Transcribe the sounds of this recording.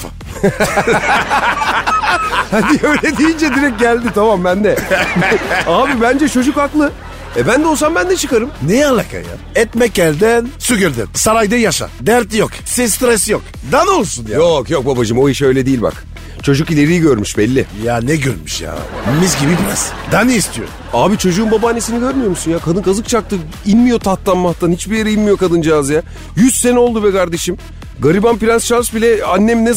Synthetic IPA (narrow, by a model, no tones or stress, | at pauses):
fa̰ | haniøjlʲɛd̪ijind͡ʒɛd̪iɾɛk̚ɟælʲd̪it̪ʰamambænd̪ɛ | aːbibænd͡ʒɛt͡ʃʰo̞d͡ʒukaklˠɯ | ɛbænd̪o̞lˠs̬ambænd̪ɛt͡ʃʰɯkaɾɯmnejɛalˠːaka̰ja̰ | ɛt̪mɛc̚ɟælʲd̪ænsyɡøɾd̪æ̰nsaɾajd̪ɛjaʃa̰d̪æɾt̪joksist̪ɾɛsjok | d̪ano̞lˠsunjajokjok̚babad͡ʒɯmo̞jiʃø̞jlʲɛd̪ijilʲba̰k | t͡ʃʰo̞d͡ʒukilʲe̞ɾijiɟøɾmyʃbɛlʲːɪjanɛɟøɾmyʃja̰ːmizɡibibimɛ̰zd̪aniist̪ʰijo̰ɾṵmaːbit͡ʃʰo̞d͡ʒuːnbabaːnːesiniɟø̞ɾmyjo̞ɾmusunjaːkʰad̪ɯnkʰazɯk̚t͡ʃʰak̚t̪ʰɯ | inmijo̞t̪ʰat̪lˠanmaxt̪ʰanhit͡ʃbijeɾɛinmijo̞kad̪ɯnd͡ʒiazja | jyzse̞nɛo̞lˠd̪uβɛkʰaɾd̪e̞ʃim | ɡaɾibanpiɾʲansʃansbilʲɛanːɛmnɛ